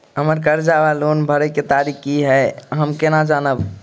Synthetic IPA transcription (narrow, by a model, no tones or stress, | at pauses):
ɦəməɾkəɾd͡ʒabalonbʱəɾəket̪aɾikːiɦɛɦəmkenad͡ʒanəb